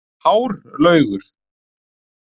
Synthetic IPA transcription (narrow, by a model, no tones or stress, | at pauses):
hawɾlœːɥɣʏɾ̥